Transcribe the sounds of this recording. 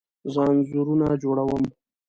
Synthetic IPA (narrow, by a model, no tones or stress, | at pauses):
zɑnzuɾunad͡ʒoɽawəm